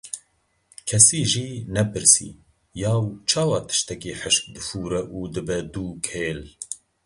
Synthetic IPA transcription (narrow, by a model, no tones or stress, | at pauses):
kʰɛsiːʒiːnɛpʰɨɾsḭː | jaːwt͡ʃʰɑːwɑːt̪ʰɨ̥ʃt̪ɛkiːħəʃk̚d̪ɨfuːɾɛʔuːd̪ɨbɛd̪uːkʰeːl